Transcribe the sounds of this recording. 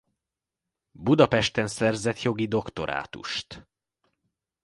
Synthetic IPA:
bud̪ɒpɛʃt̪ɛnsɛrzɛt̪jo̞ɡid̪o̞kt̪o̞ɾa̰ːt̪ṵʃt̪

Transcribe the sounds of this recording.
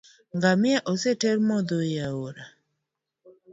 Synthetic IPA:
ŋɡamjɛʔɔsɛteɾmɔd̪ojaoɾa

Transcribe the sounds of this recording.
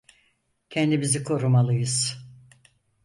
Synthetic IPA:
cʰɛnd̪imizikʰo̞ɾumalˠɯjɯz̥

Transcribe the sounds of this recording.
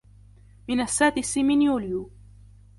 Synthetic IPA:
mɪnasːaːt̪ɪsimɪnjuːlju

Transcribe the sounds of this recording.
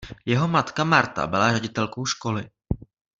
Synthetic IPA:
jɛɦomat̪kamaɾt̪a̰bɪlarɛɟɪt̪ɛlko̞wʃko̞lɪ

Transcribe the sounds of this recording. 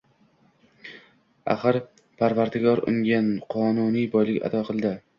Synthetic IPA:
a̰χɨɾ | pʰaɾvaɾd̪ɪɡʲɒɾʊ̰ŋɡʲanqʰɒnunijbɒjlɪkʲa̰d̪ɒqʰɨlˠd̪ɪ

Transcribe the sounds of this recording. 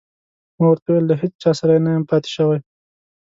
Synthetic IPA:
mawaɾt̪aweld̪aɦet͡st͡ʃɑsaɾajnajampɑt̪ɪ̥ʃəwaj

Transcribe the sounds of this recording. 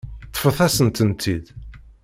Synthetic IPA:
t̪ˤːə̥fəθæsənt̪ənt̪ʰːid̪

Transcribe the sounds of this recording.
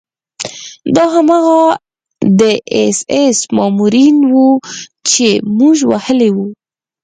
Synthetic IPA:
d̪ɑɦamaɣa | d̪əesesmɑmuɾinwut͡ʃemuʒwahəlewu

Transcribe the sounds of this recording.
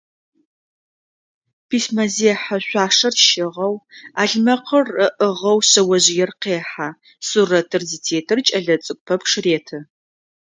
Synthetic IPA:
pʰismɐzeːħaɕʷaːʂɐrʃɪʁɐwaːɮmɐqʰərəʔəʁɐwɕɐwɐʑɪjɛrqeːħa | surɐtʰɨrzitʰeːtʰɨrt͡ʃʼɐɮɐt͡sʼɨk̚ʷʼpʰɐpʂɨreːtʰɨ

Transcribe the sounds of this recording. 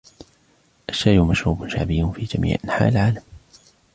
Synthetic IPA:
ʔaʃːajʔʊmaʃɾuːbʊnʃa̰ʕbɪjːʊnfiːd͡ʒamḭːʕʔanħa̰ːʔɪlʕaːlam

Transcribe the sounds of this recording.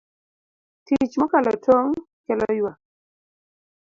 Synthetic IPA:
tit͡ʃmɔkalɔtʰoŋ | kɛlɔjwa

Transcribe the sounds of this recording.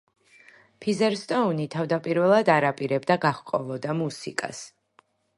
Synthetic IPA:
pʰizɛɾst̪ʼɔunit̪ʰavd̪apʼiɾvɛlˠad̪aɾapʼiɾɛbd̪aɡaχkʼɔ̰lˠɔd̪amusḭkʼa̰s

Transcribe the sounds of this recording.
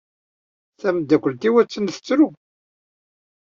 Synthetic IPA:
θæməd̪ːækʷːəlt̪iwæt͡sːənθə̥t͡sːɾu

